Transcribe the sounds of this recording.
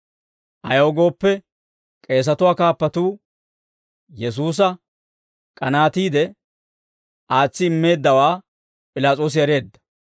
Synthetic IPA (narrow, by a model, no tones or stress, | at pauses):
ʔɐjoːɡo̞ːpːɛ | kʼe̞ːs̬ɐt̪ʊwaːkaːpːɐt̪uː | jɛs̬uːs̬ɐ | kʼɐnaːt̪iːd̪ɛ | ʔaːt͡sːɪɪmːe̞ːd̪ːɐwaː | pʼɪlaːt͡sʼoːs̬ɪjɛɾe̞ːd̪ːɐ̥